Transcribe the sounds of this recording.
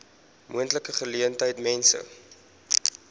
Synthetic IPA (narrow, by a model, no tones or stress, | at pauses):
mʔuəntləkəχəliəntəjtmɛnsə̰